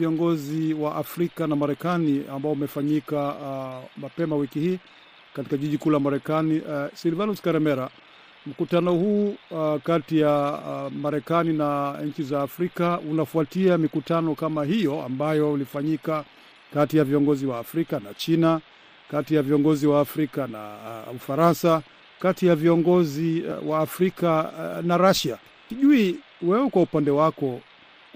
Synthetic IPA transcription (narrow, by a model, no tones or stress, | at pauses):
iɔŋɡɔziwaʔafɾikanamaɾɛkaniambaɔumɛfaɲika | mapɛmawikihiː | kati̥kaʄiʄikulamaɾɛkanisilvanuskaɾɛmɛɾa | m̩kutanɔhuːkatijamaɾɛkaninaɲ̩t͡ʃizaːfɾikaunafuatiamikutanɔkamaɦijɔa̰mbajɔulifaɲika | katijaviɔŋɡɔziwaːfɾikanat͡ʃina | katijaviɔŋɡɔziwaːfɾikana̰ufaɾansa | katijaviɔŋɡɔziwaːfɾikanaɾaʃa | siʄui | wɛwɛkwaupandɛwakɔ